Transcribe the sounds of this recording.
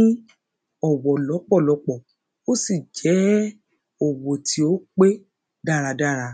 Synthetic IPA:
ĩ˦ | ɔ˦˨wɔ˨lɔ˨˦k͡pɔ˦˨lɔ˨˧˦k͡pɔ˦˨ | o˦si˦˨d͡ʒɛ˨˦ | o˨wo˨tʰi˨˦o˦k͡pe˦ | da˦˨ɾa˨˧da˦˨ɾa˧

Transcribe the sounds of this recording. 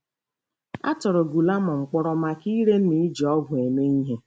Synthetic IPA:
a̰˦tɔ˨ɾʊ˨ɡu˨la˦ma˨ŋ͡m̩˨k͡pɔ˦ɾɔ˦ma˦ki˦ɾe˦n̩˦ni˦i˦d͡ʒi˨ɔ˦ɡʷʊ˨e˨me˦i˦ɦe˦

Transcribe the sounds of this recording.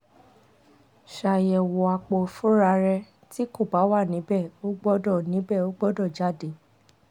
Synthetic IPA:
ʃa˨jɛ˨wɔ˨a˨k͡po˨fu˦ɾa˧ɾɛ˧ | ti˦ko˦˨ba˨˦wa˦˨nĩ˨˦bɛ˦˨o˦ɡ͡bɔ˦dɔ˦˨nĩ˨˦bɛ˦˨o˦ɡ͡bɔ˦dɔ˦˨d͡ʒa˦˨de˨˦

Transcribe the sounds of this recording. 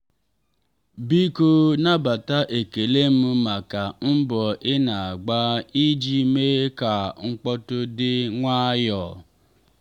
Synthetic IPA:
bi˦ko˦na˦ba˨ta˦ʔe˨ke˨le˦m̩˦ma˨ka˨m̩˦bɔ˨ʔɪ˦na˨a˨ɡ͡ba˦i˦d͡ʒi˦me˦ka˨ŋ̩˦k͡pɔ˦tʊ˦dɪ˦ŋʷa˦jɔ˨

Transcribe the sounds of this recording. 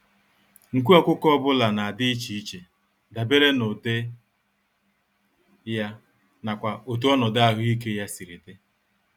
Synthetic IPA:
ŋ̩˨kʷu˦ɔ˦kʷʊ˦kɔ˦bʊ˦la˨na˨a˨dɪ˦i˦t͡ʃi˨i˦t͡ʃe˨ | da˨be˦ɾe˦no˨de˦ | ja˦ | na˨kʷa˨o˨t̬u˦ɔ˦nɔ˨da˦a˦˨ɦʊ˦i˦ke˦ja˦si˨ɾi˨te˦

